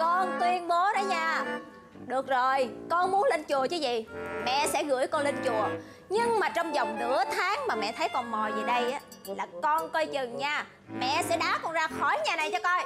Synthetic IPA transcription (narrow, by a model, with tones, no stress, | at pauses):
kɔ˧nt̪wi˧ənɓo˨˦ɗɔ˨˦ɲaː˧˩ | ɗɨ˨˩ək̚zo˨˩jkɔ˧nmu˨˦nlə˧nt͡ɕu˨˩ət͡ɕə˨˦zḭ˨˩˨mɛ̰˧˨sɛ̰˧˥ɣɨ̰˧˥əjkɔ˧nlə˧nt͡ɕu˨˩ə | ɲɨ˧ŋmaː˨˩t͡ɕɔ˧wŋ͡mzɔ˨˩wŋ͡mnɨ̰˧˥ət̪ʰaː˨˦ŋmaː˨˩mɛ̰˨t̪ʰə˨˦jkɔ˨˩nmɔ˨˩jzi˨˩ɗə˧jʔaː˨˦ | laː˨˩kɔ˧nkə˧jt͡ɕɨ˨˩ŋɲaː˧˩ | mɛ̰˧˨sɛ̰˧˥ɗaː˨˦kɔ˨˩nzaː˧xɔ˧˩jɲaː˨˩na˨˩jt͡ɕɔ˧kɔ˧j